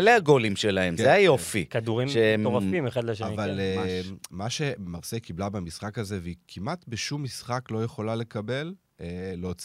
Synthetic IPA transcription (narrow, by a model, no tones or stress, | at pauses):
eleaɡolimʃelahe̞mzeajofikad̪uʁimʃeemoafimeχad̪leʃeaival | maʃe̞maʁsekiblabemisχakaze̞veikʰimʔat̪beʃumːisχaklo̞jeχo̞lale̞kabe̞l | eːeot͡s